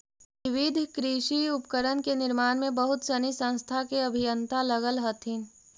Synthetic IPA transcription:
ɪʋɪd̪ʱkɾiːʃiʊpkəɾənkenɪɾmaːnmẽbəɦʊt̪sənisə̃ñst̪ʰakeɐbʱijə̃nt̪alɐɣəlɦət̪ʰin

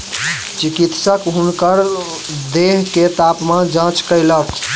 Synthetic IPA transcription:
t͡ʃikit̪səkɦunkəɾ | d̪eɦket̪apmãd͡ʒãt͡ʃkəɪlək

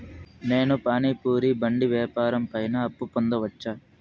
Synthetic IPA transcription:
ne̞ːnupaːniːpuːɾibɐɳɖiʋɛːpaːɾɐmpɐjnɐːpːupond̪ɐʋɐt͡ʃːaː

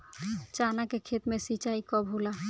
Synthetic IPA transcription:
t͡ʃaːnakekʰeːt̪mẽsit͡ʃaːikɔbʱula

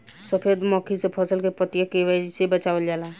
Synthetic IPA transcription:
səpʰed̪mɔkʰisepʰəsəlkepət̪jəkeʋəsebət͡ʃaʋəld͡ʒaːla

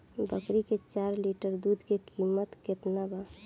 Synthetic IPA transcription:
bəkɾiket͡ʃaːɾliʈəɾd̪ud̪ʱkekimət̪kɪt̪naba

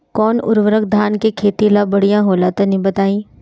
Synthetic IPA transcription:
kɔːnʊ̰ɾʋəɾəkd̪ʱaːnkekʰeːt̪ilabɐɽ̤ijãɦoːlat̪anĩbɐt̪aːĩː

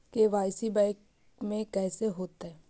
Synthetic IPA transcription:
keʋaːjsibaɪk | mẽkɛːseɦoːt̪ɦɛː

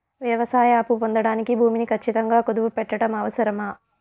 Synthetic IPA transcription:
ʋjɐʋɐsaːjaːpupond̪ɐɽaːnikibʱuːminikʰɐt͡ʃːit̪ɐŋɡaːkod̪uʋupɛʈːɐɽɐmɐʋɐsɐɾɐmaː

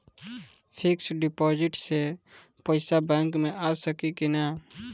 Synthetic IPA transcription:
pʰɪksɖɪpɔːd͡ʒɪʈse | pəɪsabɛ̃ŋkmẽʔaːsəkikina

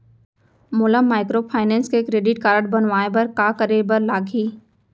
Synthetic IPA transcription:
mʊːləmːaːɪkɾopʰaːɪnɛ̃ːnskekɾeːɖɪʈkaːɾəɽbɐnʋaːebɐɾkaːkəɾebɐɾlaːɡʱiː

